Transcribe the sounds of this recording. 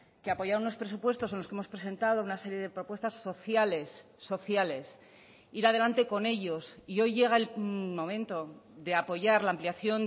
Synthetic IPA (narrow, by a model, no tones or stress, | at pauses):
keapo̞ʝaɾnuno̞spɾesupwe̞st̪os̬enlokee̞mo̞spɾe̞se̞nt̪að̞o̞unase̞ɾje̞ðe̞pɾo̞pwe̞st̪asːo̞θjale̞sː | o̞θjale̞s | iɾað̞e̞lant̪e̞ko̞ne̞ʎo̞sio̞jʝe̞ɣ̞aelmõ̞mẽ̞nt̪o̞ðe̞apo̞ʝaɾlaːmpliaθjo̞n